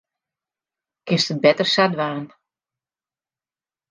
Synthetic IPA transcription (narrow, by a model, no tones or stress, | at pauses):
kɪstəbɛtərsadʋaːn